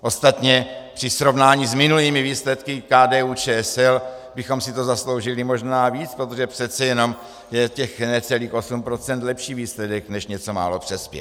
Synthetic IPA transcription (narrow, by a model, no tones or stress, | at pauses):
ʔo̞st̪at̪ɲɛpr̥ɪsɾo̞vnaːɲiːzmɪnuliːmɪviːslɛt̪kɪkaːdɛːuːt͡ʃɛːɛsɛlbɪxo̞msɪt̪o̞zaslo̞wʒɪlɪmo̞ʒnaːviːt͡spɾo̞t̪o̞ʒɛpr̥ɛt̪t͡sɛjɛno̞m | jɛcɛxnɛt͡sɛliːxʔo̞sumpɾo̞t͡sɛnt̪lɛpʃiːviːslɛdɛknɛʃɲɛt͡so̞ma̰ːlo̞pr̥ɛspjɛ̰